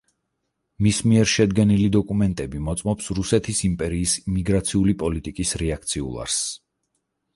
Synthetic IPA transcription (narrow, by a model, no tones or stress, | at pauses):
mismiɛɾʃɛd̪ɡɛnilid̪ɔkʼumɛnt̪ʼɛbimɔt̪sʼmɔpsɾusɛt̪ʰisimpʼɛɾiːsimiɡɾat̪sʰiulipʼɔlit̪ʼikʼisɾɛak̚ʰt̪sʰiṵlˠa̰ɾs